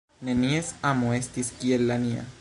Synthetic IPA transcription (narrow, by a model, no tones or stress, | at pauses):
neniesamoest̪iskielːania̰